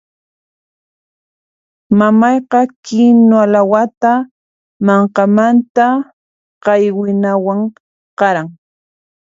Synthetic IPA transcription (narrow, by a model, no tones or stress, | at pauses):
mamɑjqɑkɪnoalawat̪a | mɑɴqɑmant̪a | qɑjwɪnawaŋ | qɑɾaŋ